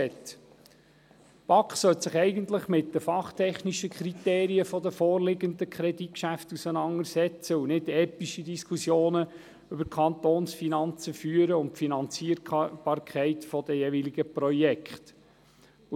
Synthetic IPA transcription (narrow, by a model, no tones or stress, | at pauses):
ɛt̪ | pɑkχsœltsɪχɛɪɡənt̪ləχmɪt̚dəfɑχt̪ʰɛχniʃəkχɾit̪eːɾiəfɔd̪əfɔːrlɪɡənd̪əkʰɾɛdit̚kʃæftusənɑŋəɾsɛt͡səunɪdɛːpiʃidiskʰusjoːnə | ʏbəɾkʰɑnt̪oːnsfinɑnt͡səfyːəɾəʊntfinɑnt͡siəɾb̥ɑːɾkʰɛɪtfɔd̥̪əjeviliɡəprɔjɛkχt